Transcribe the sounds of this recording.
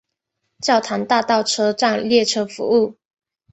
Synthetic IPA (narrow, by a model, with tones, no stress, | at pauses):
t͡ɕjɑ˥˩ʊt̪ʰa˧˥nt̪a˥˧t̪ɑ˥˨˩ʊʈ͡ʂʰɤ˥ʈ͡ʂa˥˧ŋljɛ˥˨ʈ͡ʂʰɤ˥fṵ˧˦u˥˩